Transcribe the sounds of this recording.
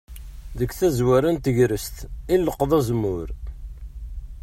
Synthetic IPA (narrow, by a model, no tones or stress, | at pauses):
ðəkθæzwæɾænt̪əʝɾəst̪inːəqːðˤæzəmːʊɾ